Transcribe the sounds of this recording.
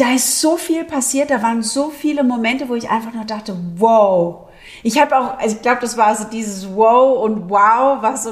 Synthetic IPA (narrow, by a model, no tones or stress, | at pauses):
d̥aːɪstz̥oːfiːlpʰasiːɐt̚d̥aːvaːʁənzoːfiːləmomɛntəvoːɪçʔa̰ɪnfaχnuːɐdaχtəwoʊ | ʔɪçhaːbəaʊxʔaɪçɡ̥laʊbəd̥asv̥aːɐzoːdiːzəswoʊʊntwaʊvaso